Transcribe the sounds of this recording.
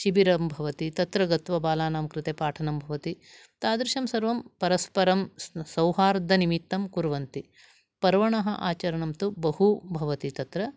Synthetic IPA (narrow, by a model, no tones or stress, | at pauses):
ʃibiɾɐmbʱɐʋɐt̪it̪ɐt̪ɾɐɡɐt̪ʋɐbaːlaːnaːmɐkɾɪt̪eːpaːʈʰɐnɐmbʱɐʋɐt̪i | t̪aːd̪ɾɪʃɐmsɐɾʋɐmpɐɾɐspɐɾɐmsɐwɦaːɾd̪ʱɐnimit̪ːɐmkuɾʋɐnt̪i | pɐɾʋɐɳɐɦɐʔaːt͡ʃɐɾɐɳɐmt̪ubɐɦubʱɐʋɐt̪it̪ɐt̪ɾɐ